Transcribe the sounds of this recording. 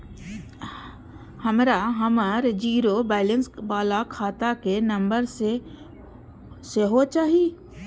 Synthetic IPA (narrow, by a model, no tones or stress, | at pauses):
hɐmɾaɦəməɾd͡ʒiːɾobɛːlə̃nsbaːlakʰaːt̪akenɐ̃mbəɾse | seɦot͡ʃaːɦieː